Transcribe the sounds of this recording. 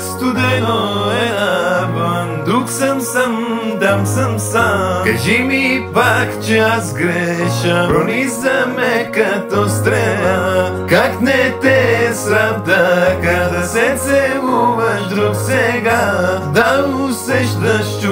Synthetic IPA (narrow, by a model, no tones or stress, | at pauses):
st̪ud̪ɛnoɛabɐnd̪ɾuksɐmsɐmd̪amsɐmsakɐʒimipakt͡ʃɛazɡɾɛʃɐpɾonizɐmɛkɐt̪ɔst̪ɾɛla | kaknɛt̪ɛsɾabd̪ɐkad̪ɐsɛsɛɡuvɐʃd̪ɾuksɛɡad̪ɐusɛʃd̪ɐʃt̪